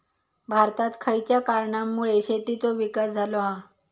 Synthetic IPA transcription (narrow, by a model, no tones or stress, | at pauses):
bʱaɾt̪at̪kʰəjt͡ɕjakaɾɳamːuɭeɕet̪it͡soʋikasd͡zʱaloɦa